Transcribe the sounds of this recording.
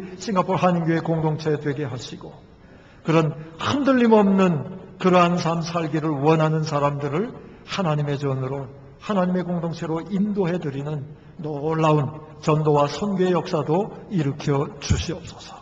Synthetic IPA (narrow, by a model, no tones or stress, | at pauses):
ɕʰiŋɡapʰoɾɦaɲimɡue̞koŋdoŋt͡ɕʰe̞dweɡe̞ɦaɕʰiɡ̥o | kɯɾʌnhandɯʎːimʌmnɯnkɯɾʌɦansʰansʰaɭɡiɾɯɭwʌnɦanɯns̬ʰaɾamdɯɾɯɭ | hanaɲime̞t͡ɕʌnɯɾo | hanaɲime̞koŋdoŋt͡ɕʰe̞ɾoindoɦe̞dɯɾinɯnː | oɭːaun | t͡ɕʌndowasʰʌnɡeejʌk̚s͈adoiɾɯkʰjʌd͡ʑuɕʰiʌp̚s͈ʌsʰʌ̥